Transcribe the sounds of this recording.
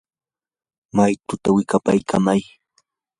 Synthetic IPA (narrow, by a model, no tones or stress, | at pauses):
majt̪ʊt̪awɪkapajkamaj